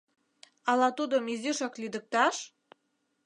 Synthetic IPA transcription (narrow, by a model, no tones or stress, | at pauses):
ɑlɑt̪ud̪omiziʃɑklid̪ə̆k̚t̪ɑʃ